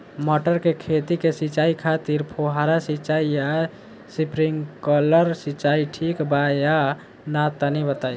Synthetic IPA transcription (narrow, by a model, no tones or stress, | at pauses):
məʈəɾkekʰet̪ikesit͡ʃaikʰat̪iɾpʰoɦaɾasit͡ʃaija | sipɾiŋkələɾsit͡ʃaiʈʰikbaja | nat̪ənibət̪aj